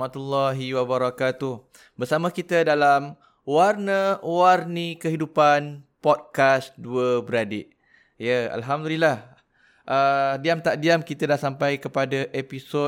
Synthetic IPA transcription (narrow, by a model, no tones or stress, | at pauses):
mat̪ulːaɦiwabaɾakat̪uh | bərsamə̃kit̪ədalam | warnəwarnikəɦidupanpɔd̚kasduəbəɾadiʔ | jəa̰lɦamdulilah | ʔədiamt̪aʔdiamkit̪ədahsampajkəpadaʔepiso